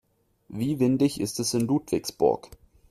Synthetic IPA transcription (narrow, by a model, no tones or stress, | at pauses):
viːvɪndɪçɪ̰stɛsɪnluːtv̥ɪksb̥ʊ̰ɐk